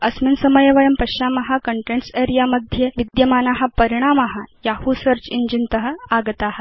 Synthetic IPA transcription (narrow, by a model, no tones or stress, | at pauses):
əsminsəməjeʋɐjəmpəɕamaɦakəɳʈeɳʈseɾijaməd̪ʱjeʋid̪jəmaːnaɦapəɾiɽ̃amaɦajahusəɾt͡ɕiɲd͡ʑint̪əɦəaɡt̪aɦat̪